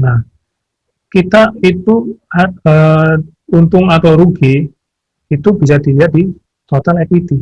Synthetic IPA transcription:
nah | kit̪ait̪uaə | unt̪ʊŋat̪awɾuɡi | it̪ubisad̥iliat̪̚di | t̪ot̪alɛkit̪i

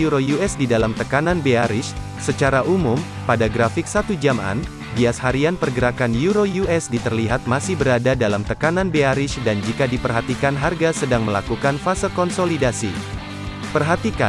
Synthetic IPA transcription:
juɾojuɛsdidalamt̪əkananbeaɾɪʃ | sət͡ʃaɾaʔumum | padaɡɾafɪk̚sat̪ud͡ʒama̰n | biashaɾianpərɡəɾakanjuɾojuʔɛsdit̪ərliɦat̪̚masɪhbəɾadadalamt̪əkananbeaɾɪʃdand͡ʒikadipərɦat̪ikanɦarɡasədaŋməlakukanfasəkɔnsolidasi | pərɦat̪ika

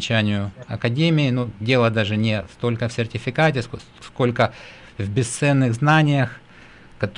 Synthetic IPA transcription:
t͡ɕænʲɪjʊɐkɐdʲemʲɪɪnudʲe̞lˠəd̪aʐɨnʲɪst̪o̞lʲkəfsʲɪrtʲɪfʲɪkatʲɪs | sko̞lʲkə | vbʲɪst̪sɛnːɨɣznanʲɪjəx | kɐt̪

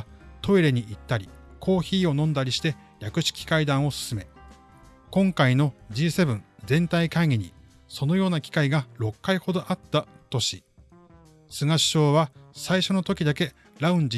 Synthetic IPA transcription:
t̪o̞iɾe̞ɲ̟iʔit̪ːaɾʲikʰo̞ːçiːo̞nõ̞nd̪aɾʲiɕi̥t̪e̞ | ɾʲakɯ̟ɕi̥kʲi̥kaid̪ãɰ̃o̞sɨ̥sɨme̞ | kõ̞ŋkaino̞d͡ʑiːse̞bɯ̟̃nd͡zẽ̞nt̪aikãŋɡʲiɲ̟ḭ | so̞no̞jo̞ːnakʲi̥kaiɡaɾo̞kːaiho̞d̪o̞ʔat̪ːat̪o̞ɕi | sɨŋaɕi̥ɕo̞ːβasaiɕo̞no̞t̪o̞kʲid̪ake̞ | ɾaɯ̟̃ɲ̟d͡ʑi

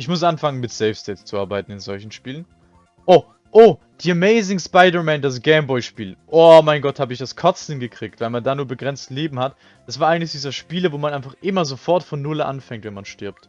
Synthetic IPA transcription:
ʔɪçmʊs̬ʔanfaŋənmɪtsɛɪfstɛst͡suʔaɐbaɪtn̩ɪnzɔlçn̩ʃpiːlən | ʔoː | ʔoː | d̥iːameɪzɪŋspaɪdɐmɛːndas̬ɡ̥ɛɪmbɔʏʃpiːlʔoːmaɪnɡɔthaːbəɪçd̥askʰɔt͡sənɡəkʁ̥iːk̚tv̥aɪlmandaːnuːɐbəɡʁɛnt͡stleːbm̩hat | d̥asv̥aɐʔaɪɡŋ̩tlɪçd̥iːzɐʃpiːləvoːmanʔaɪnfaχʔɪmɐzofɔɐtfɔnːʊlʔa̰nfɛŋktvɛnmanʃtɪɐp̚t

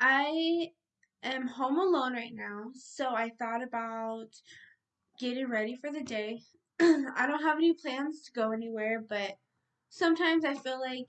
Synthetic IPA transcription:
ʔaɪ | ʔɨ̃mhõʊ̃məlõʊ̃nɹaɪtⁿnaʊsoʊaɪθɔɾɨbaʊt̚ | ɡ̥ɛɾɪ̃ŋɹɛɾifə˞ðɨdeɪ | aɪɾõʊ̃nt̚ɦəvɛnipʰl̥æ̃nz̥tʰəɡoʊɛniwɛɹbʌt̚ | sʌ̃mtʰãɪ̃mzaɪfilaɪk

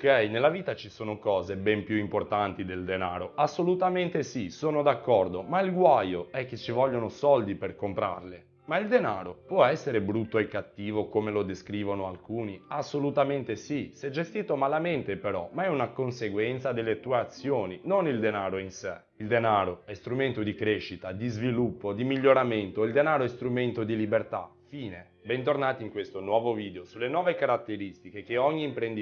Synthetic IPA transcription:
okɛjnelːaviːt̪at͡ʃisoːnokɔːzebɛmpjuimport̪ant̪id̪eld̪enaːɾoasːolut̪ament̪esisoːnod̪akːɔrd̪omailɡwajoɛk̟ːet͡ʃːivɔʎːonosɔld̪iperkompɾa̰rle | maild̪enaːɾopwɔɛsːeɾebɾut̪ːoekːat̪ːiːvokomelod̪eskɾiːvonoalkuːniasːolut̪ament̪esisɛd͡ʒest̪iːt̪omalament̪epeɾɔ̰maɛunakonseɡwɛnt̪sad̪elːet̪uːeat̪sːjoːninonild̪enaːɾoinse | ild̪enaːɾoɛst̪ɾument̪od̪ikɾeʃːit̪ad̪izvilupːod̪imiʎːoɾament̪oild̪enaːɾoɛst̪ɾument̪od̪ilibert̪a̰ | fiːne | bɛnt̪̬ornaːt̪iŋkwest̪onwɔːvoviːd̪eosulːenwɔːvekaɾat̪ːeɾist̪ikek̟eɔɲːiːmpɾend̪i

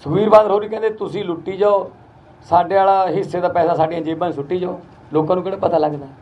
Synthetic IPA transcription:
səʋiːɾbaːd̪əɾɦoːɾiːkɛ̃nd̪eːt̪ʊsĩːlʊʈːiːd͡ʒaːoː | saːɖeːaːlaːɦɪsːeːd̪aːpɛːsaːsaːɖijãːd͡ʒeːbãːsʊʈːiːd͡ʒaːoː | loːkãːnũːkeːɽaːpət̪aːləɡd̪aː

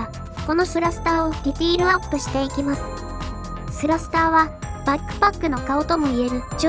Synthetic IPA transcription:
ko̞no̞sɨɾasɨ̥t̪aːo̞ɾʲit̪ʲiːɾɯ̟apːoɕi̥t̪e̞ikʲimasɨ̥ | sɨɾasɨ̥t̪aːβab̥akːɯ̟̥pakːɯno̞kaot̪o̞mo̞ie̞ɾɯ̟d͡ʑ

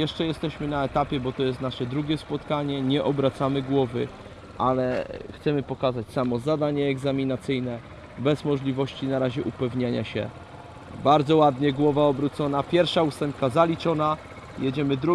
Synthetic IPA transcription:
jɛʂt͡ʂɛjɛst̪ɛɕmɘnaɛt̪apʲjɛbɔt̪ɔjɛst̪naʂɛd̪ɾuɡʲɛspɔt̪kaɲɛɲɛʔɔbɾat̪samɘɡwɔvɘ | ʔalɛxt̪sɛmɘpɔkazat͡ɕsamɔzad̪aɲɛːɡzamʲinat̪sɘjnɛ | bɛzmɔʐlʲivɔɕt͡ɕinaɾaʑɛʔupɛvɲaɲa̰ɕɛ̰ | baɾd̪zɔwad̪ɲɛɡwɔvaɔbɾut̪sɔnapʲjɛɾfʂaust̪ɛmp̚kazalʲit͡ʂɔna | jed͡ʑɛmɘd̪ɾu

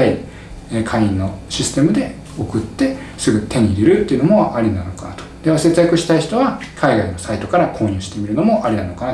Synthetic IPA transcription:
ai | kʰaiĩnːo̞ɕisɨ̥t̪e̞mɯ̟d̪e̞ | o̞kɯ̟t̪ːe̞ | sɨɡɯ̟t̪ẽ̞ɲ̟iɾiɾɯ̟t̪ːeiɯ̟no̞mo̞ʔaɾʲinano̞kat̪od̪̥eβase̞t͡sɨjakɯ̟ɕi̥t̪aiçi̥t̪o̞βakʰaiɡaino̞sait̪o̞kaɾakʰo̞ːɲ̟ʲɨ̟ːɕi̥t̪e̞mʲiɾɯ̟no̞mo̞ʔaɾʲinano̞kana

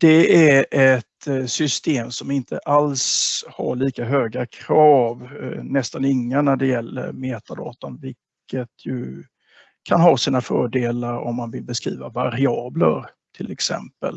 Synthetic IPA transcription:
d̪̥ɛæɾʔɛt̪sʏst̪eːmsɔmɪnt̪ʰəʔalsha̰ɭiːkaɦøːɡakʰɾɑːvnɛst̪anɪŋːanæɖɛjɛlːə̰ɾmeːt̪ad̪ɑ̰ːt̪ɔnvɪlkʰːət̪ʰjɵ | kʰanɦɑːsiːnafœːɖeːlaɾɔmːanvɪlbɛskɾḭːvavaɾɪɑːbləɾ | t̪ʰɪlɛksɛ̰mpəl

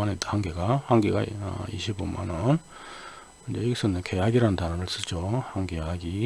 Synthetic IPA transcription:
anethaŋɡeɡahaŋɡeɡa̰ʌ̰iɕʰibunma̰nʌn | ind͡ʑeiɡes͈ʰɯnekʰe̞jaɡiɾantanaɾɯɭs͈ɯt͡ɕ͈ohaŋɡeaɡi

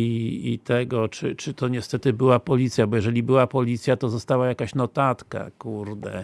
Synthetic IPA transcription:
iit̪ʰɛɡɔt͡ʂɘt͡ʂɘt̪ɔɲɛst̪ɛt̪ɘbɘwapɔlʲit̪sʲjabɔjɛʐɛlʲibɘwapɔlʲit̪sʲjat̪ɔzɔst̪awajakaɕnɔt̪at̪ka̰kuɾd̪ɛ̰

